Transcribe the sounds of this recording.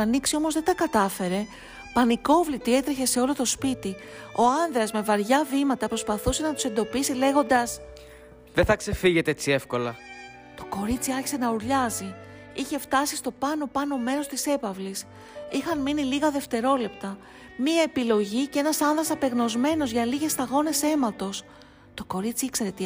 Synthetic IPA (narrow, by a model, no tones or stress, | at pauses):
ɐniksio̞mo̞zðed̪ɐkɐt̪ɐfe̞ɾe̞ | pɐniko̞vlit̪ie̞t̪ɾeçe̞se̞o̞lo̞t̪o̞spit̪i | o̞ɐnðɾɐzme̞vɐɾʝɐvimɐt̪ɐpɾo̞spɐθuse̞nɐt̪u̥se̞nd̪o̞pisile̞ɣo̞nd̪ɐs | ðeθɐkse̞fiʝe̞t̪eet͡sie̞fko̞lɐ | t̪o̞ko̞ɾit͡siɐɾçi̥se̞nɐuɾʎɐzi | içe̞ft̪ɐsist̪o̞pɐno̞pɐno̞me̞ɾo̞st̪ise̞pɐvlis | ixɐnminiliɣɐðe̞ft̪e̞ɾo̞le̞p̚t̪ɐ | miɐe̞pilo̞ʝicee̞nɐsɐnðɾɐsɐpe̞ɣno̞zme̞no̞zʝɐliʝe̞st̪ɐɣo̞ne̞se̞mɐt̪o̞s | t̪o̞ko̞ɾit͡siikse̞ɾe̞t̪i